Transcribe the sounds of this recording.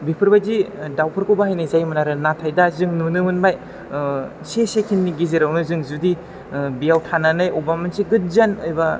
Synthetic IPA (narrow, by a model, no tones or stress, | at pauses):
bipʰɯɾbazidawpʰɯɾkʰɯbaɦajnazajmɯnaɾɯnatʰajdazɯŋnunɯmɯnbaj | sesekʰinːiɡiziɾawnɯzɯŋzudi | bijawtʰananajʔɔbamansiɡɯt̚zanɯjba